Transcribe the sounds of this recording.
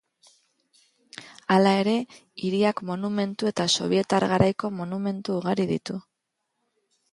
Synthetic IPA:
alae̞ɾe̞iɾiakmo̞nume̞nt̪ue̞t̪aso̞̰β̞ie̞t̪aɾɣaɾajko̞mo̞nume̞nt̪uːɣaɾiðḭt̪u

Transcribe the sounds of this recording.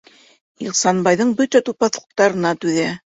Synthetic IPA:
ḭqsɑnbɑjðɤɴbɵt̪æt̪upɑθlˠɤ̥̆q̚t̪ɑɾɤ̆nɑt̪ʉðæ

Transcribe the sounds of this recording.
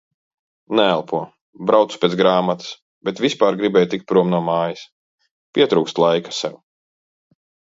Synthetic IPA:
nɛælˠpʰuɔ | bɾawt̪su̥pʲɛːt̪ɡɾaːmat̪ɨ̥s | b̥ɛt̪vʲispaːɾɡɾibɛːjt̪ik̚t̪̚pɾuɔmnuɔmaːjis | pʲiɛt̪ɾuːkst̪lˠajkḁsɛw

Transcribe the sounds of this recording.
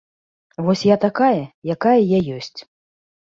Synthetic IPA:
vɔsʲjat̪akajɐjakajɐjajɔsʲt͡sʲ

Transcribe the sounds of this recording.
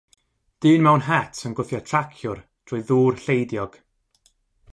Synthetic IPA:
d̥ɨːnmɛwnɦɛtʰənɡʊθjatʰrakʰjʊrd̥rʊɨðuːrɬejdjɔɡ̥

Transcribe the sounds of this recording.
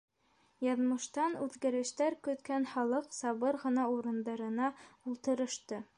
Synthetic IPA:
jɑðmɤ̆ʃt̪ɑnʉðɡæɾɘ̆ʃt̪æɾkɵ̆t̪kænχɑlˠɤqsɑβɤɾʁɤ̆nɑuɾɤ̆nd̪ɑɾɤ̆nɑulˠt̪ɤ̆ɾɤ̆ʃt̪ɤ

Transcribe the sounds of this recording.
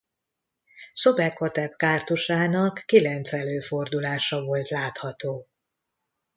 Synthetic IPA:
so̞bɛkʰːot̪ɛpkaːrt̪uʃaːnɒkːilɛnt̪sɛløːfo̞rd̪ulaːʃɒvo̞lt̪laːt̪hɒt̪oː

